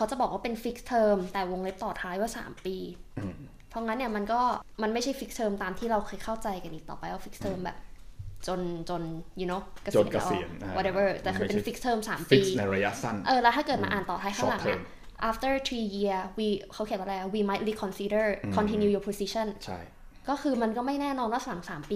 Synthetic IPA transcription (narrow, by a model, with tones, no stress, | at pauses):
kʰa˦˥wt͡ɕa˨˩bɔː˨˩k̚waː˥˩pe˧nfi˦˥k̚t̪ʰɤː˧mt̪ɛː˨˩wo˧ŋle˦˥p̚t̪ɔː˨˩t̪ʰaː˦˥jwaː˥˩sa̰ː˩˦mpiː˧ | pʰɔ˧˥ŋa˦˥nːi˥˩ɐma˧nkɔː˥˩ma˧nma˥˩jt͡ɕʰa˥˩jfi˦˥k̚t̪ʰɤː˧mt̪aː˧mt̪ʰiː˥˩ɾa˧wkʰɤː˧jkʰa˥˩wt͡ɕa˧jka˧nʔi˨˩k̚t̪ɔ̰ː˨˩pa˧ja˧˩fi˦˥k̚t̪ʰɤː˧mbɛ̰ː˨˩p̚t͡ɕo˧nt͡ɕo˧nju˧noː˧˦˥wka˧sna˧ʔḭ˨˧˩nwɔ˧te˧bə˥˩t̪ɛː˨˩kʰɯː˧pe˧nfi˦˥k̚t̪ʰɤː˧msaː˩˦mpiː˥˧na˧ɾa˧ja˦˥sa̰˥˩nʔɤː˧lɛ˦˥t̪ʰaː˥˩kɤː˨˩t̪̚ma̰˧ʔaː˨˩nt̪ɔː˨˩aː˧˥jʰa˥˩ŋla˨˦ʔa̰˥˧˩ | ʔaː˧˥ft̪ə˥˩t̪ʰwiː˧ji˧ɐwiː˧kʰa˦˥wʰi˨˩˥nwa˧˥laː˧˩wiː˧ma˧˦jt̪̚liː˦˧kʰɔ˧nsiː˦˥də˥˩kʰɔ˧nt̪ʰi˧njuː˧juː˧pʰo˧si˦˥ɕʰɔ˥˩nt͡ɕʰa̰˥˩j | kɔː˥˩kʰɯː˧ma˧nkɔː˥˩ma˥˩jnɛː˥˩nɔː˧nwaː˥˩sa˨˩˦ŋsaː˩˦mpiː˧